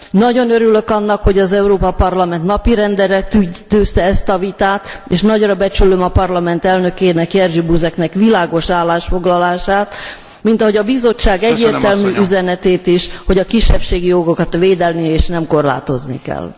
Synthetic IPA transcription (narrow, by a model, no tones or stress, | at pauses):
nɒɟo̞nøɾylø̞kɒnːɒkho̞ɟɒzɛuɾoːpɒpɒrlɒmɛnt̪nɒpiɾɛnd̪ɛɾɛt̪yt̪øːst̪ɛɛst̪ɒvit̪aːt̪eːʃnɒɟrɒbɛt͡ʃylømɒpɒrlɒmɛnt̪ɛlnø̞keːnɛkjɛrʒibuzɛknɛkʋilaːɡo̞ʃaːlːaːʃfo̞ɡlɒlaːʃaːt̪ | mint̪ɒɦo̞ɟɒbizo̞t͡ʃːaːɡɛɟːeːrt̪ɛlmyʔyzɛnɛt̪eːt̪iʃho̞ɟɒkiʃːɛfʃeːɡijo̞ɡokɒt̪ʋeːd̪ɛlnieːʃnɛmko̞rla̰ːt̪o̞znḭkɛ̰l